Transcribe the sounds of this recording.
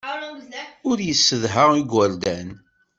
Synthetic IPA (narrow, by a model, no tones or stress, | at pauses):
ʊɾjəsːəðɦəʁiɡwæɾd̪æn